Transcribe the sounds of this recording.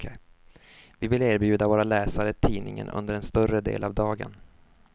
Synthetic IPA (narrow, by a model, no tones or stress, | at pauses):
vɪvɪleːɾbjʉ̟ːd̪avoːɾalɛːsaɾət̪ʰiːnɪŋə̰nɵ̰nd̪əɾɛnst̪œrəd̪ḛːlʔavd̪ɑːɡə̰n